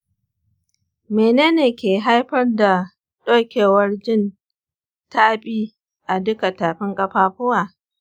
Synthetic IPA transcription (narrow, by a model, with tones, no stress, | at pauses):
meː˨neː˦neː˨kʲeː˨ɦa˦jɸɐ˦rda˨ | ɗoː˦kʲeː˨wɐ˦rd͡ʒɪ˦˨n | ta˦ɓʼiː˦ | ʔa˨dʊ˦ka˨taː˨ɸɪ˦ŋkʼɐ˦ɸaː˦ɸʊ˦waː˨